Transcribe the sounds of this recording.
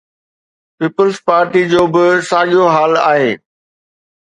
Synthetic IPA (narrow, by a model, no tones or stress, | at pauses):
piːpəlzpaːɾʈid͡ʑoːbɪsaːɠijoɦaːla̰ːɦeː